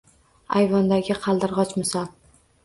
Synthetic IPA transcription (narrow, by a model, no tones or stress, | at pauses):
a̰jvɒnd̪aɡʲɪqʰɑlˠd̪ɪɾʁɒt͡ʃmɪsɒlˠ